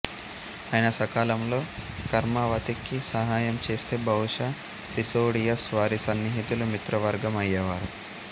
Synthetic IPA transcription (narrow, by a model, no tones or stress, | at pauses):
aːjɐnɐsɐkaːlɐmlo̞ːkɐɾmɐʋɐt̪ikːisɐɦaːjɐmt͡ʃe̞ːst̪e̞ːbʱɐwuʂa | sisoːɽijɐsʋaːɾisɐnːiɦit̪ulumit̪ɾɐʋɐɾɡɐmɐjːɐʋaːɾu